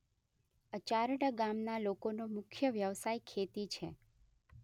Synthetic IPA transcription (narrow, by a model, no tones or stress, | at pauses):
ət͡ʃaɾɽəɡamnalokonomʊkʰjəʋjəʋsajkʰet̪it͡ʃʰe